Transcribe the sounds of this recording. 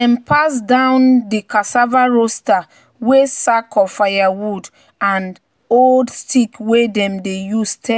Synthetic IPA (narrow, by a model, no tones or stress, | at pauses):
ɛ̃mpʰasdãʊ̃ndikasavaɹosta | wesakʰɔfajawud | ãn | oldstʰikwedɛ̃mdejustʰɛ